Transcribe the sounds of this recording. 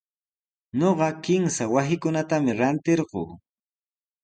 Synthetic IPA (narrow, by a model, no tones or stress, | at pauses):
ɲoɢɑkɪmsawasɪkʊnat̪amɪɾant̪eɾɢo̰ː